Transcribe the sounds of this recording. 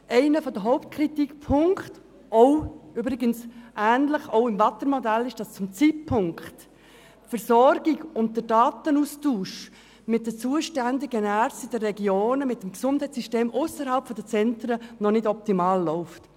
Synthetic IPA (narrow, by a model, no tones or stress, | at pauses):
ʔɛɪnəfɔd̥əɦɔʊpt̚kʰɾitikpʰʊŋkt | ʔɔʊybɾiɡənsʔæːnləχɔʊɪmvɑt̪əɾmɔdælːɪʃd̥ɑst͡sʊmt͡sit̚pʰʊŋkt | tfɛɾsɔɾɡ̥iɡʊnt̚d̥ədɑːt̪ənustuːʃ | mɪt̚d̥ət͡suəʃtændɪɡənæɾstid̥ərɛɡjoːnəmɪt̚ːəmksʊnd̥hɛɪt͡ssiʃteːmʔʊsəɾɦɑlpfɔdət͡sɛntɾənɔnɪdɔp̚timɑːlːɔʊft